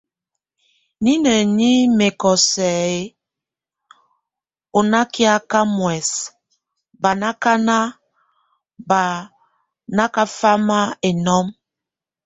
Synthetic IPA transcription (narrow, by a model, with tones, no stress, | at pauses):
ni˦nɛ˨ni˦me˨kɔ˨sɛ˨e˦ | o˨na˦ki˦a˦ka˦mwɛ˨s | ba˨na˦ka˦na˦ | ba˨ | na˦ka˦fa˦ma˦e˨nɔ˦m